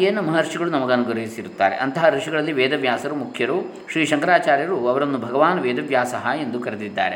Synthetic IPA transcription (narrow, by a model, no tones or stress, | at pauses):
eːnɐmɐɦɐɾʂiɡɐɭunɐmɐɡɐnuɡɾɐɦisiɾut̪ːa̰ːɾḛʔɐnt̪ɐɦɐɾiʂiɡɐɭɐlːiʋɛːd̪ɐʋjaːsɐɾumukʰjɐɾu | ʃɾiːʃɐŋkɐɾaːt͡ʃaːɾjɐɾuɐʋɐɾɐnːubʱɐɡɐʋaːnɐʋɛːd̪ɐʋjaːsɐɦɐend̪ukɐɾed̪id̪ːa̰ːɾe